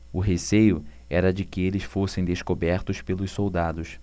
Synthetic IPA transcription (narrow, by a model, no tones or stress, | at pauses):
ʊɦesejʊ | ɛɾɐd͡ʒɪkɪelɪsfosẽj̃d̪eskobɛɾt̪ʊspelʊssowd̪ad̪ʊs